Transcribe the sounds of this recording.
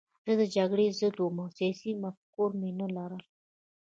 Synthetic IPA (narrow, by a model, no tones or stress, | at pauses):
z̥əd̪əd͡ʒaɡɽezəd̪womasjɑsimafkoɾmenəlaɾəl